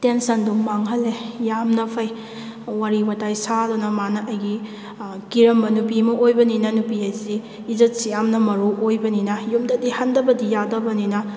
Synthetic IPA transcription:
tensɐnduŋmaŋɦɐlːejamnɐpʰɐj | waɾiwɐtajsadɔnɐmanɐʔɐjɡi | kiɾɐmbɐnupimɐʔojbɐninɐnupiajziː | zɐt̚sijamnɐmɐɾuʔojbɐninɐjumdɐdihɐndɐbɐdijadɐbɐninɐ

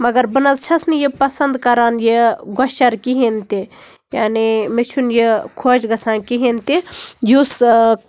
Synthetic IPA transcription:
mɐɡɐɾbɐnɐzt͡ʃʰɐsnijipɐsɐnd̪kɐɾaːnjeɡoʃɐɾkiɦint̪i | jaːnimet͡ʃʰunjekʰoːd͡ʒɡɐsaːnkiɦint̪ijus

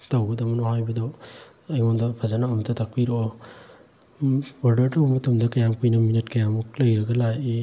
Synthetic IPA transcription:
tawɡɐdɐmɐnɔhajbɐdaw | ɐjŋɔmdɐpʰazanaːmɐtʰɐtak̚piɾɔ | waɾdɐɾtawmutɐmdɐkɐjamkujnɐminit̚kajamuk̚lɐjɾɐɡɐlaji

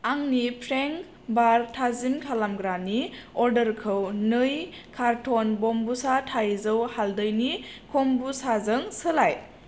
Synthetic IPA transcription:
aŋnipʰɾeŋ | baɾtʰazimkʰalamɡɾaniɔɾdəɾkʰɯwnɯj | kʰaɾtʰonbɔmbusatʰajzɯwhaldəjnikʰombusazəŋsəlaj

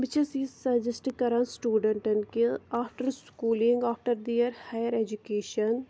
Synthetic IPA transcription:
bɪt͡ʃɐsisɐd͡ʒɪsʈkɐɾansʈuːɖəɳʈɐɳkiaːpʰʈəɾskuːlĩŋɡaːpʰʈəɾd̪ijəɾhaːjəɾeːd͡ʒukeːʃən

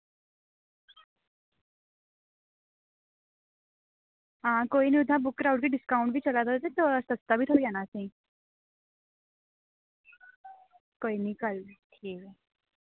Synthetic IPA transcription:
ɦãkoiniud̪ʱãbukːɾawɳʈkiɖiskaũɳʈbʱiːt͡ʃəlat̪at̪et̪ɔəsəst̪abʱiːt̪ʰoijanasẽ | koinikəlʈʰiːke

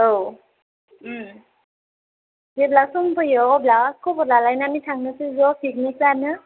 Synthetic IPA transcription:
ow | zeblasɔŋpʰɯjɔblawakʰɔbɔlalajnamitʰaŋnɯsɯzɔkʰik̚nikanɯ

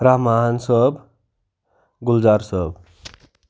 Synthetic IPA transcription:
ɾaɦmansəb | ɡuld͡ʒaɾsəb

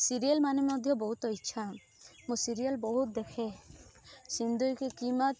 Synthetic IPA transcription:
siɾialmanemɔd̪ʱjɔbɔɦut̪ɔitːʃʰa | mũsiɾialbɔɦut̪̚d̪ekʰe | sind̪ujkekimat̪

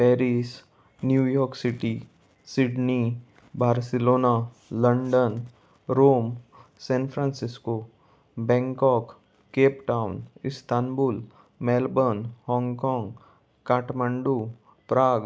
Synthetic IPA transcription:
pɛːɾis | njuːjɔːɾksɪʈi | sɪɖni | baːɾsɪloːna | ləɳɖən | ɾoːmsɛ̃ːnfʰɾãːnsɪsko | bɛ̃ːŋkɔːkː | keːpʈaːʊnɪst̪aːnbuːl | mɛːlbənhɔ̃ːŋɡkɔ̃ːŋɡ | kaːʈmə̃ɳɖu | pɾaːɡ

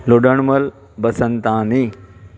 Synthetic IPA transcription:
loɖəɳ̃mɐl | bɐsənt̪ãːni

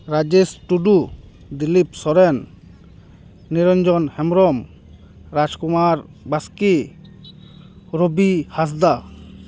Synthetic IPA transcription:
ɾad͡ʒisʈuɖu | d̪ilipsɔɾɛn | iɾɔɲd͡ʒɔnhɛmɾɔm | ɾad͡ʒkumaɾbaski | ɾobihas̬d̪a

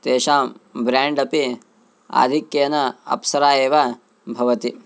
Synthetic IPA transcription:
t̪eːʃaːmbɾaːɳɖɐpi | a̰ːd̪ʱikjɐnɐɐ̰psɐɾaːeːʋa | bʱɐʋɐt̪i

